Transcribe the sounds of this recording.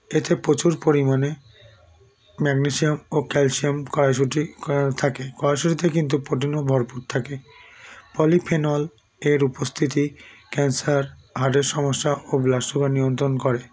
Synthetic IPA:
et̪ʰepot͡ɕuɾpoɾimane | mɛɡniʃiomokɛlsiomkɔɾaʃuʈit̪ʰakekɔɾaʃuʈit̪̬ekint̪̬upoʈ̬inobʱɔɾpuɾt̪ʰake | pɔlipʰenɔl | eɾupost̪ʰit̪ikɛnsaɾ | ɦaʈeɾʃɔmoʃːaʔoblaʃubanijont̪ɾonkɔɾe

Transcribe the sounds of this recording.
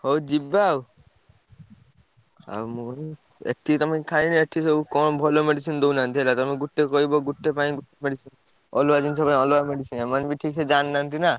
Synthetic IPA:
ɦowd͡ʒibaw | a̰mu | ḛʈʰːit̪ɔmãkkʰaĩnieʈʰisɔbukɔnbʱɔlomeɖisind̪ownant̪ʰielat̪ɔɔmiɡuʈːekɔɦibɔɡuʈːepaĩɡuʈːemeɖisin | ɔlʋad͡ʒinsɔpaĩɔlʋameɖisinemanbiʈʰiːksʰed͡ʒanːant̪ina

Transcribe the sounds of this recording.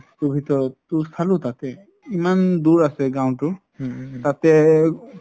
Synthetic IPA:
tubʱit̪ɔɹɔtːust̪ʰalʊtat̪ɛ | imanduɹasɛɡãw̃tʊ | tat̪ɛ

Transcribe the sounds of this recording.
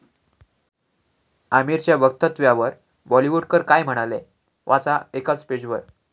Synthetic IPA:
amiɾt͡ɕjaʋək̚t̪ət̪ʋjaʋəɾ | bɔliʋuɖkəɾkajm̤əɽ̃ale | ʋʔat͡saekat͡sped͡ʑʋəɾ

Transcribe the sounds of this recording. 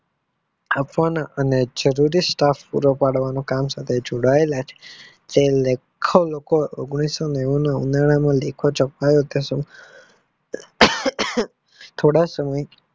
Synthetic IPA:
apʋanaʔəned͡ʒəɾuɾisʈafpuɾopaɽʋanõkamsat̪ʰed͡ʒoɽaelat͡ʃʰe̥ | t̪elekʰolokoo̰ɡɽ̃isoneʋonaṵnaɭ̃amãlekʰot͡ʃəkajot̪es | t̪ʰoɽasəməj

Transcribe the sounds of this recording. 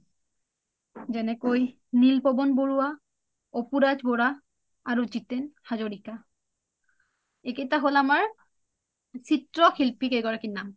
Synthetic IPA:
zɛnɛkoj | nilpɔbɔnboɹuwa | ɔpuɹad͡ʒbɔɹaː | ɹuzitɛnhazoɹika | eketaɦolamaɹ | sitɹɔxilpikeɡɔɹakinːam

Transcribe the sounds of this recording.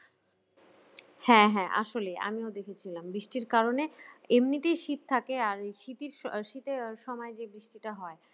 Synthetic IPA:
hɛ̃ɦɛ̃ʔa̰ʃoleʔa̰miod̪ekʰet͡ɕʰilambɾiʃʈiɾkaɾoneemniʈ̪ejʃit̪̚t̪ʰːakeaɾʃit̪iɾʃit̪eʃɔmɔed͡ʑebɾiʃʈiʈaɦɔe

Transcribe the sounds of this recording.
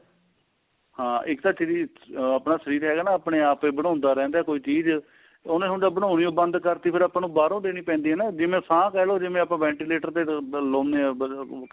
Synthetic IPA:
hãːɪkt̪aːt͡ʃi | aːpnaːsəɾiːɾɦɛːɡaːnaːəpɳeːaːpeːbəɽ̃ãːʊnd̪aːɾɛ̃ːnd̪aːkoːiːt͡ʃiːz | oːnẽːɦõɳɖaːbəɽ̃ãːniõːbə̃nd̪kəɾt̪iːpʰɪɾaːpaːnũːbaːɾõːd̪eːniːpɛ̃ːnd̪iːɦɛːnaːd͡ʒɪmẽːsʰãːkɛːloːd͡ʒɪmẽːapãːʋɛ̃ːɳʈileːʈəɾt̪eːloːmneː

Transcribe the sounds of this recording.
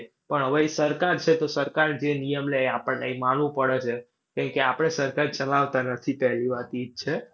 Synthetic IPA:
pəɳɦəʋeisəɾkaɾt͡ʃʰet̪osəɾkaɾd͡ʒenijəmleapəɳːeimanʋũpəɽet͡ʃʰe | kɛ̃ŋkeapəɽ̃esəɾkaɾt͡ʃəlaʋt̪anət̪ʰipɛɦliʋat̪id͡ʒ̚t͡ʃʰe

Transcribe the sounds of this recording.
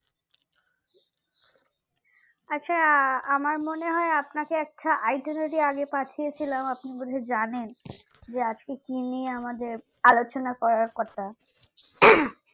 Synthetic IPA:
atːɕʰaamaɾmoneɦɔeapnakeɛk̚ʈʰaʔajʈoneʈiaɡepatʰijet͡ɕʰilamapnibud̪ʱed͡ʑanen | d͡ʑead͡ʑkekiniamad̪eɾ | alot͡ɕonakɔɾaɾkɔt̪ʰa

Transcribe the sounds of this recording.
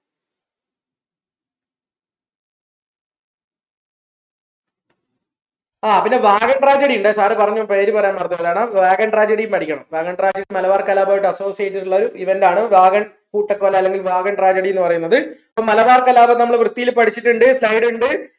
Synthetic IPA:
aːpinːe̞ʋaːɣɐɳʈraːd͡ʑeɽijuɳɖesaːrɨpɐrɐɲːupeːɾupɐrɐjaːnpɐrɐt̪ːuɐðaːɳɐʋaːɡɐɳʈraːd͡ʑeɽijumpɐɽikʲːɐɳɐmʋaːɣɐɳʈraːd͡ʑeɽimɐlɐʋaːrkɐlaːbaːjʈːɨɐso̞ːsijeeʈːiɾuɭːɐoɾuiʋɐndaːɳɨʋaːɣɐɳ | kuːʈːɐkːɨʋɐlːeɐlːe̞ŋɡilʋaːɣɐɳʈraːd͡ʑɐɽijenːɨpɐrɐjunːɐðɨipːomːɐlɐʋaːrkɐlaːbɐnɐmːɐɭʋrɨt̪ːijilpɐɽʰit͡ɕːiʈːuɳɖɨslɐjɽuɳɖɨ

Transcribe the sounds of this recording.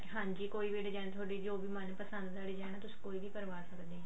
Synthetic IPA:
ɦãːɲd͡ʒiːkoːiːʋiɖd͡ʒɛːt̪ʰaːɖiːd͡ʒoːbiːmənpəsənd̪d̪aːɽid͡ʒɛːnãːt̪ʊsĩ̥ːkoːiːbiːpəɾʋaːsəkd̪eː

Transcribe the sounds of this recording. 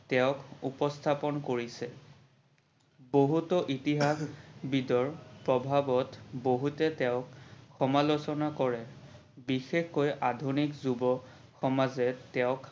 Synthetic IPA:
tɛʊkupɔstʰapɔnkoɹisɛ | boɦutɔʔitiɦaxbidɔɹpɹɔbʱabɔtboɦutɛtɛʊkxɔmalosɔnakɔɹɛ | bixexkɔjʔadʱunikzubɔ | xɔmazɛtɛʊ̃k

